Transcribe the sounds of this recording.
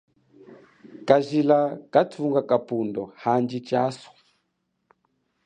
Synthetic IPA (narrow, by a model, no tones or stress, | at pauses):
kaʒilakatʰuŋɡakapundɔhand͡ʒit͡ʃasɔ̥